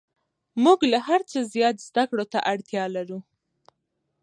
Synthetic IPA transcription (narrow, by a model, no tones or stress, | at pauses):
muɡlahaɾt͡səzjɑt̪zd̪akɽot̪a̰ʔaɽt̪jɑlaɾu